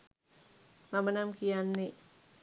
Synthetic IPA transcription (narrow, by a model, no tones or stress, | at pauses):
mamənamkijanːi